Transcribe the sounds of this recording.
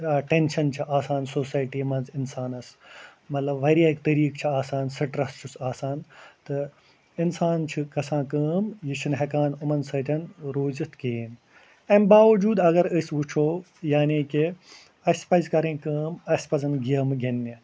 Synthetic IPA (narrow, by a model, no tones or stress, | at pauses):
aʈenʃɐnt͡ʃʰiʔaːsaːnsoːsaːjʈiːmɐnzɪnsaːnɐsmɐt̪lɐbʋːɐɾiaːkt̪ɐɾiːkt͡ʃʰiaːsaːnsɐʈɾɐst͡ʃʰusaːsaːnt̪ɨ | insaːnt͡ʃʰɨkɐsãːkɐːmjiʃʰinɦɐkaːnʊmɐnsɐːt̪ʲʰɐnɾoːzɐt̪ʰkeːn | ɐmbaːʋɐd͡ʒuːd̪ɐɡɐɾəsʋut͡ʃʰoː | jaːniːki | ɐspɐzkɐɾẽːkəːmɐsʲpɐzɐnɡijɐmɡɐnːi